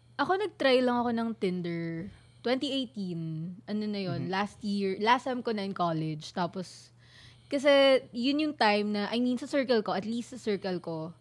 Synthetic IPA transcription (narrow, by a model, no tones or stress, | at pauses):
ʔɐko̞nɐɡ̚t̪ɾajlɐŋɐko̞nɐŋt̪ɪnd̪ɛɹ | t̪wɛnt̪iʔejt̪inʔɐnonɐjo̞nlast̪jiɹlast̪ajmkonɐɪnkoːlɛd͡ʒt̪aːpos | kɐs̬ɛjʊnjʊŋt̪ajmnɐʔɐjmiːnsɐsɛɹkɐlkoʔɐt̪list̪sɐsɛɹkɐlko̞